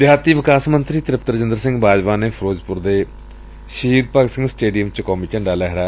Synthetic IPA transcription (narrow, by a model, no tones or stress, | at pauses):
d̪ɪjaːt̪iːʋɪkaːsmənt̪ɾiːt̪ɾɪpt̪əɾd͡ʒə̃nd̪əɾsɪ̃ŋɡbaːd͡ʒʋaːneːpʰɾoːd͡ʒpʊɾd̪eː | ʃiːɾpəɡsɪ̃ŋɡsʈeːɖijəmt͡ʃəkɔːmiːt͡ʃə̃ɳɖaːlɛɦɾaː